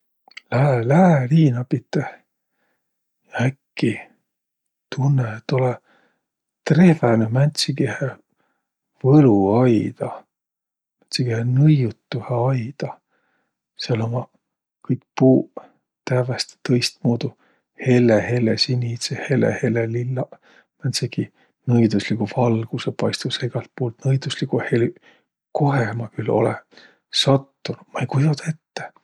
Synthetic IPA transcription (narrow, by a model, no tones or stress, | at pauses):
læhelæeliːnɑpit̪ːˑeh | jɑækːi | t̪ʰunːet̪olɛ | t̪re̞venemænʲt̪sikehe | vɤluɑjd̪̥ɑ | mænʲt̪siɡehenɤjut̪ːuheɑjd̪̥ɑ | seɑlomɑ | kɯjk̚puː | t̪ævest̪e̥t̪ɤjst̪̚muːd̪u | he̞lːehe̞lːesinʲit̪sehelḛhelelilːɑ | mænseɡ̥i | nɤjd̪uslikuvɑlɡ̥usepɑjst̪useɡ̥ɑlt̪̚pouːlt̪nɤjd̪̥uslikuheli | ko̞ɦemɑkylo̞̰lḛ | sɑt̪ːunu̥mɑejkujut̪ɑe̞t̪ːe